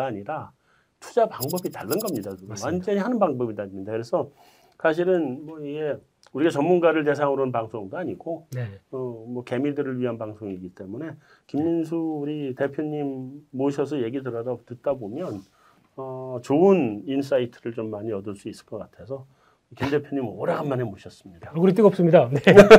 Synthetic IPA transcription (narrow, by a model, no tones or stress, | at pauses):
aːɲiɾa | tʰu̥d͡ʑapaŋbʌbitaɭːɯnɡʌmɲidaduɡowand͡ʑʌɲihanɯnbaŋbʌbidamɲidakɯɾe̞sʰʌ | sʰaɕ̬ʰiɾɯnmwʌiɡe̞ | uɾiɡat͡ɕʌmːunɡaɾɯɭt̬e̞s̬ʰaŋɯɾonpaŋsʰoŋdoaɲiɡoʌmwʌke̞midɯɾɯɭɥiɦanpaŋsʰoŋiɡit͈e̞mune̞ | kimɲinsʰuːɾite̞pʰjoɲimːoɕʰʌs̬ʰʌje̞ɡidɯɾʌdatɯt̚t͈abomjʌn | ʌt͡ɕoɯnins̬͈ʰaitʰɯɾɯɭt͡ɕomːaɲiʌdɯɭs͈uis͈ɯ̥ɭk͈ʌk͈atʰe̞sʰʌ | kimde̞pʰjoɲimʌɾaɡanmanemoɕʰʌs͈ɯmɲid̥akuɾit͈ɯɡʌp̚s͈ɯmɲidane